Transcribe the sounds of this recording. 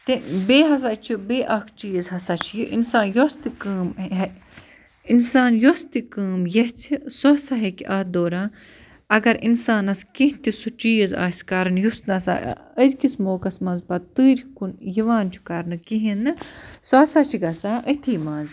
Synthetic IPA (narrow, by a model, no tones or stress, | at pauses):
t̪ebeːɦɐs̬at͡ʃʰibeːʔɐkʰt͡ʃiːzɦɐsat͡ʃʰjiʔḭnsaːnjost̪ikɨːmɦ | insaːnjost̪ikɨːmjɐht͡sʰisosaɦekʲiʔɐhd̪oːɾaː | ɐɡɐɾinsaːnɐskĩɦt̪isut͡ʃiːza̰ːsʲkɐɾɨnjusnɐsa̰əzkismoːkɐsmɐzpɐt̪ɨːɾkunjiʋaːnt͡ʃʰu̥kɐɾnɨkiɦinɨsoɦɐsat͡ʃʰiɡɐsaʔət̪ʰiːmaːz